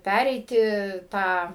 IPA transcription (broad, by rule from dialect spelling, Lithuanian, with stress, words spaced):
ˈpʲærʲɛɪtʲɪ ˈtɑː